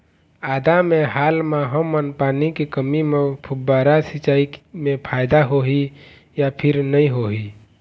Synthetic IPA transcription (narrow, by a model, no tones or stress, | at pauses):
aːd̪amẽɦaːlmaɦəmənpaːnikikəmimẽpʰʊbːaːɾasɪt͡ʃaːimẽpʰaːɪd̪aɦoɦi | japʰɪɾnəĩɦoɦi